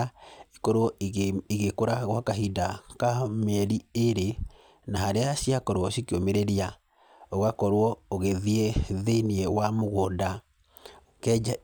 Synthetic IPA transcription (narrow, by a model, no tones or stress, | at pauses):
ikɔɾwɔiɣekoɾaɣwakaɦidakamɛɾieɾe | naɦaɾeasiakɔɾwɔsikeomeɾeɾia | oɣakɔɾwɔoɣeðiɛðeiniɛwamoɣɔda | kɛa